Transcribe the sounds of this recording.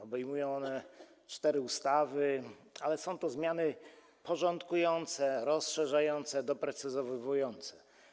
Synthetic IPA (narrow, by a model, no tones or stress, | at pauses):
ɔbɛjmujɔ̃w̃ɔnɛ | t͡ʂt̪ɛɾɘust̪avɘalɛsɔ̃w̃t̪ɔzmʲjanɘ | pɔʐɔnt̪kujɔnt̪sɛɾɔsʂɛʐajɔnt̪sɛd̪ɔpɾɛt̪sɘzɔvvujɔnt̪sɛ̥